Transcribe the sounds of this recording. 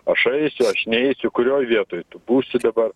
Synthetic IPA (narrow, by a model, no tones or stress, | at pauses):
ɐʃɐɪsʲʊɐʃnʲɛɛɪsʲʊkʊɾʲoːjʋʲiɛt̪oːjt̪ʊbuːsʲɪd̪ɐbɐɾ